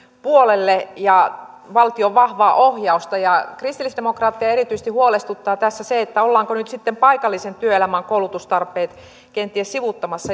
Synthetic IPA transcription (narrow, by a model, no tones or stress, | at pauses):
puolelːejɑ | ʋɑlt̪ioʋʋɑhʋɑːʔohjɑust̪ɑjɑkrist̪ilisd̥̪emokrɑːt̪ːiɑeɾit̪yises̆t̪ihuolest̪ut̪ːɑːt̪æsːæseet̪ːæolːɑːŋkonyt̪sit̪ːempɑikɑlːisent̪yøelæmæŋkoulut̪ust̪ɑrpˑeːt̪ | kent̪iessiʋut̪ːɑmɑsːɑ